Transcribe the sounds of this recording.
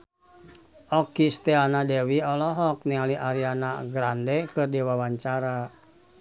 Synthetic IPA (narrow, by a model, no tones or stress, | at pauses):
ʔɔkist̪ɛanadɛwiɔlɔɦɔk̚nialiʔaɾianaɡɾandɛkɨrdiwawaɲt͡ʃaɾa